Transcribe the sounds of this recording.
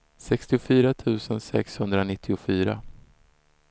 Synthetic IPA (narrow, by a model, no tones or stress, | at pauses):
sɛkst̪ɪʊfyːɾat̪ʰʉ̟ːsənsɛ̰kshɵnd̪ɾanɪt̪ʰːɪʊfyːɾa̰